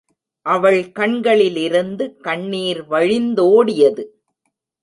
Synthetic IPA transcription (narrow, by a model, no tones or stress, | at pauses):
ʔɐʋɐɭkɐɳɡɐɭɪlɪɾɯnd̪ɯkɐɳːiːɾʋɐɻɪnd̪oːɽɪjɐðɯ